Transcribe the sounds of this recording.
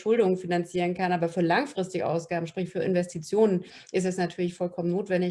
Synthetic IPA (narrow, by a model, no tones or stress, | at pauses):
ʃʊldʊŋənfinant͡siːʁ̞ənkanʔaːbɐfyːɐlaŋfʁ̥ɪstɪɡəʔa̰ʊsɡ̥aːbm̩ʃpʁ̥ɪçfyːɐɪ̰nvɛstʰit͡sjoːnən | ʔɪs̬tɛsnatʰyːɐlɪçfɔlkʰɔmənːoːtv̥ɛndɪ